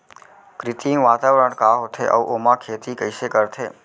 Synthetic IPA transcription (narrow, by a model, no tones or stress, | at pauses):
kɾɪt̪iʋaːt̪aʋɾəɳ̃kaːɦot̪ʰeʔə̰ʋʔomãkʰeːt̪ikəjʃekəɾt̪ʰeː